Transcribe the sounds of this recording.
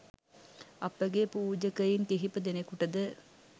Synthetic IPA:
ɐpːɐɡepuːd͡ʒɐkɐjinkeɦipːɨd̪enekuʈɐd̪ɨ

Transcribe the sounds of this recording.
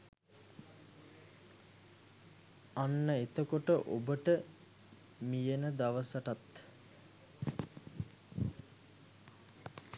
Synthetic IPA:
anːəet̪əkoʈəʔo̰bəʈə | mijənəd̪aʋəsəʈat̪

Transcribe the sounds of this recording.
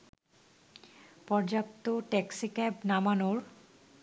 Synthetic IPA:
pɔɾd͡ʑapt̪oʈɛksikɛpnamanoɾ

